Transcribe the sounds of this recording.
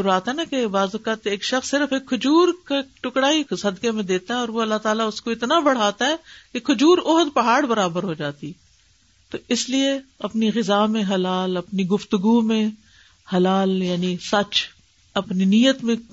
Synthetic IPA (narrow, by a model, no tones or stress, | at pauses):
ʊɾuaːt̪ɦɛnakebaːzʊkaːt̪eːkʃɐxsːɪɾəfeːkʰːʊd͡ʒuːɾkeʈʊkɽaːisɐd̪kemẽd̪eːt̪aɦɛɔːɾʋoɐlːat̪aːlaʊskoɪt̪nabɐɽ̤aːt̪aɦɛːkekʰʊd͡ʒuːɾɔɦd̪pɐɦaːɽbɐɾaːbəɾɦod͡ʒaːt̪i | t̪oɪslieɐpniɣɪzaːmẽɦɐlaːlɐpniɡʊft̪ʊɡumẽ | hɐlaːljaːnisɐt͡ʃ | ɐpniniːjət̪mẽ